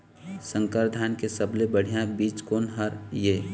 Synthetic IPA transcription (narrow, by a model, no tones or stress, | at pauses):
sə̃ŋkəɾd̪ʱaːnkesəblebəɽ̤ijãbiːt͡ʃkoːnɦəɾje